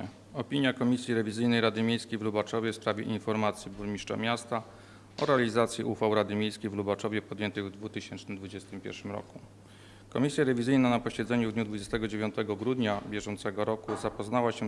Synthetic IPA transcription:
ɔpʲiɲjakɔmʲisʲjiɾɛvʲizɘjnɛjɾad̪ɘmʲjejskʲejvlubat͡ʂɔvʲjɛfspɾavʲjɛ̰ʔinfɔɾmat̪sʲjibuɾmʲiʂt͡ʂɔ̰mʲjast̪a | ɔɾɛalʲizat̪sʲjiʔufawɾad̪ɘmʲjejskʲejvlubat͡ʂɔvʲjɛpɔd̪jɛnt̪ɘɣvd̪vut̪ɘɕɛnt͡ʂnɘmd̪vud͡ʑɛst̪ɘmpʲjɛ̰ɾʂɘmɾɔ̰ku | kɔmʲisʲjaɾɛvʲizɘjnanapɔɕɛd̪zɛɲuvd̪ɲud̪vud͡ʑɛst̪ɛɡɔd͡ʑevʲjɔ̃nt̪ɛɡɔɡɾud̪ɲabʲjɛʐɔnt̪sɛɡɔɾɔkuzapɔznawaɕɛ

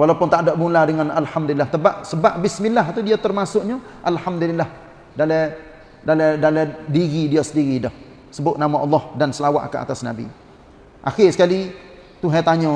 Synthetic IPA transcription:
walapʊnt̪adɔʔbunladəŋanalhamd̪ulilːaht̪əbaʔsəbaʔbɪsmilːaɦt̪udiat̪ərmasʊʔɲaʔalhamd̪ulilːah | dalɛ | dalɛdalɛdiɣidiasəndiɣidɔh | səbʊt̪̚namaʔɑlːɔhdansəlawa̰ʔka̰ʔa̰t̪asna̰bḭ | ʔaxɪsə̥kali | t̪uɦat̪aɲɔ

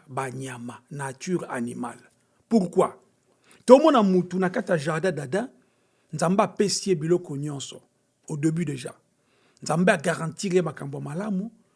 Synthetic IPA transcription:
baɲamanatyʁa̰nima̰l | puʁkwa | tomɔnamutunakatijaʒaʁdãdadã | nzambeapesiebilɔkɔɲɔ̃nsɔ̥ | odebydeʒa̰ | nzambeaɡaʁɑ̃tiʁemakambojamalamu

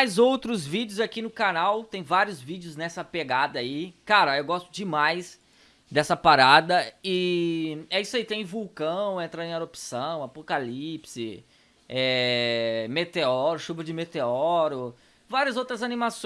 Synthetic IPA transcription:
jzowt̪ɾʊzvid͡ʒjʊzakinʊkanawt̪ẽj̃vaɾjʊzvid͡ʒɪʊznɛsɐpeɡad̪ɐaikaɾɐewɡɔst̪ʊd͡ʒɪmajs | d̪ɛsɐpaɾad̪ɐi | ɛiswait̪ẽj̃vuwkɐ̃w̃ẽnt̪ɾɐ̃ẽaɾopi̥sɐ̃w̃apokalipsɪ̰ | ɛ | met̪eɔɾʊʃuvɐd͡ʒɪmet̪eɔɾʊ | vaɾiɐzowt̪ɾɐzanĩmas

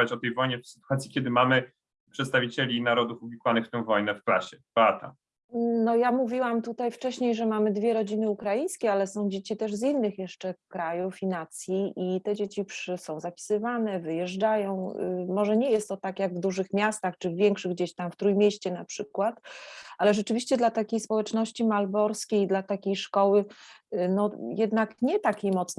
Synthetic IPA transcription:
at͡ɕɔt̪ɛjvɔjɲɛfsɘ̥t̪uwat̪sʲjikʲɛd̪ɘmamɘ | pʂɛt̪st̪avʲit͡ɕelʲinaɾɔd̪ufuvʲikwanɘxft̪ɛ̃w̃vɔjnɛfkla̰ɕɛb̥at̪a̰ | nɔjamuvʲiwamt̪ut̪ajft͡ʂɛɕɲejʐɛmamɘd̪vʲjɛɾɔd͡ʑinɘukɾajĩj̃skʲɛalɛsɔ̃w̃d͡ʑet͡ɕit̪ɛʐzinːɘxjɛʂt͡ʂɛkɾajufinat̪sʲjiʔit̪ɛd͡ʑet͡ɕipʂsɔ̃w̃zapʲi̥sɘvanɛvɘjɛʐd͡ʐajɔ̃w̰̃mɔʐɛɲɛjɛst̪ːɔt̪akjaɡvd̪uʐɘxmʲjast̪axt͡ʂɘvːʲjɛŋkʂɘɣɡd͡ʑeɕt̪amft̪ɾujmʲjeɕt͡ɕɛnapʂɘkwat̪alɛʐɛt͡ʂɘvʲiɕt͡ɕɛd̪lat̪akʲejspɔwɛt͡ʂnɔɕt͡ɕimalbɔɾskʲejd̪lat̪akʲejʂkɔwɘnɔjɛd̪nakɲɛt̪akʲejmɔt̪s

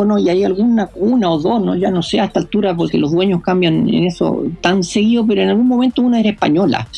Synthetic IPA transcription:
noiajalɣunaunaoðo̞noʝanoseaet̪alt̪uɾap̬oɾkelo̞zðwe̞ɲohkambjanḛneso̰t̪anseɣiðop̬eɾoenalɣunmo̞me̞nt̪ounaeɾehpa̰ɲo̞la̰

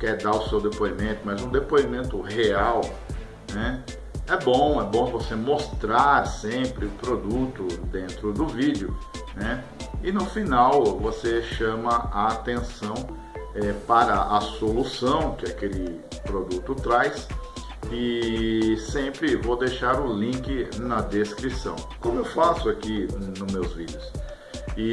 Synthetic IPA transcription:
kɛɾd̪aʊsewd̪epoimẽt̪ʊmɐjzũd̪epoimẽnt̪ʊheaw | nɛ | ɛbõw̃ɛbõvosemost̪ɾaɾsẽpɾɪʊpɾod̪ut̪ʊd̪ẽnt̪ɾʊd̪ʊvid͡ʒjʊnɛ | ɪnʊfinawvoseʃɐ̃mɐaːt̪ẽsɐ̃w̃ | ɛpaɾɐʔɐsolusɐ̃w̃kɪakelɪ | pɾod̪ut̪ʊt̪ɾajs | ɪ | sẽpɾɪvod̪ejʃaɾʊlĩkɪnɐd̪eskɾisɐ̰̃w̃kõmʊewfasʊakinʊmewzvidɪʊs | ɪ

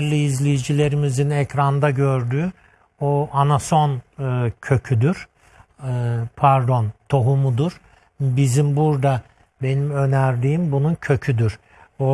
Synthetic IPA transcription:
ɾlʲiːzlʲejid͡ʒilʲe̞ɾimizinɛcɾand̪aɟø̞ɾd̪yː | oanaso̞ncʰø̞cʰyd̪yɾ̥ | pʰæɾd̪o̞nt̪ʰo̞ɦumud̪uɾ̥ | bizimbuɾd̪a | be̞nimø̞næɾd̪iːmbununcʰø̞cʰyd̪yɾ | o

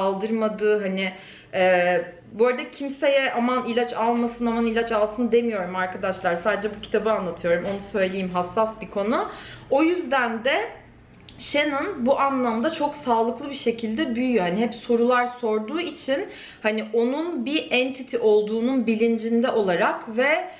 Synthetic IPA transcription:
alˠd̪ɯɾmad̪ɯːɦanɪ | ɛ | boːɾad̪acʰimsejɛʔamanilʲat͡ʃʰalˠmasɯnamanilʲat͡ʃalˠsɯnd̪e̞mijo̞ɾumaɾkʰad̪aʃlˠaɾsaːd̪ed͡ʒɛbucʰi̥t̪ʰabɯanlˠat̪ʰɯjo̞ɾumo̞nusø̞jlʲejimɦasːasbikʰo̞nuo̞jyzd̪ænd̪ɛ | ʃenɯnbuʔanlˠamd̪at͡ʃʰoksaːlˠɯklˠɯbiʃe̞cʰilʲd̪ɛbyjyjohaniɦɛpso̞ɾulˠaɾso̞ɾd̪uːit͡ʃʰin | haniʔo̞nunbiʔɛnt̪ʰit̪ʰiʔo̞lˠd̪uːnunbilʲind͡ʒind̪ɛʔo̞lˠaɾakvɛ

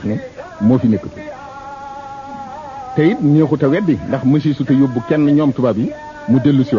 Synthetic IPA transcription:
xnɛmoːfinekːəti | tɐjitniːxutɐwɛdːindɐxmɐs̬isutɐjobːukɛnːɐɲɔːmtubabi | mudelːusi

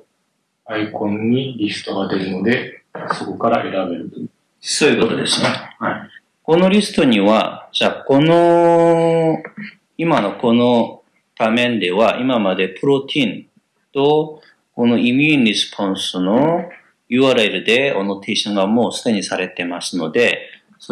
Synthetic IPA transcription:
aikõ̞ɲːiɾʲisɨ̥t̪o̞ɡad̪e̞ɾɯ̟no̞d̪e̞soko̞kaɾaʔe̞ɾabe̞ɾɯ̟t̪o | soːjɯko̞t̪o̞d̪esɨ̥nehai | ko̞no̞ɾʲisɨ̥t̪o̞ɲ̟iβa̰ʑako̞no | imano̞ko̞no̞ | b̥amẽ̞nd̪e̞βaʔimamad̪e̞pɯ̟ɾo̞t̪ʲʰĩn | t̪o̞ | ko̞no̞imʲjuːnɾʲisɨ̥pʰõ̞ɰ̃sɨno̞ | jɯ̟ːaɾɯiɾɯ̟d̪e̞ono̞t̪ʰeːɕõŋɡamo̞ːsɨd̪e̞ɲ̟isaɾe̞t̪e̞masɨno̞d̪e̞ | s

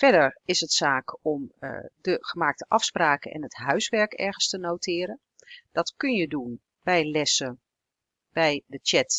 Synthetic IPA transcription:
fɛdəɹɪsətsaːkɔm̰dəχəmaːk̚təʔɑfspraːkəʔɛ̰nɦətɦœɥsʋɛɹkɛ̰ɹɣənstənowtʰɪːɾə | d̥ɑtkønjədun | bɛjlɛsə | b̥ɛjdət͡ʃɛt

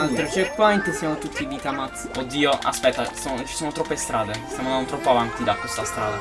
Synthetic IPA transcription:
alt̪ɾot͡ʃɛɾkːwaɛnt̪əsjamot̪ut̪ʰːivit̪amat̪sod̪ːiːoa̰spɛt̪ːasot͡ʃi̥soːnot̪ɾɔpːest̪ɾaːd̪est̪jamonant̪ɾɔpːoavant̪id̪akwest̪ast̪ɾa̰ːd̪a

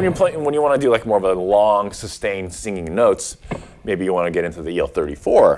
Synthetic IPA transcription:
njɨpʰl̥ẽɪwə̃njɨwɑnɨdɨlaɪk̚mɔɹʌvəlɔ̃ŋsɨstẽɪ̃nsɪ̃ŋɪ̃ŋnoʊts | meɪbijɨwɑ̃nɨɡɛɾɪ̃ntʉðiilˠθɜ˞ɾḭfɔɹ

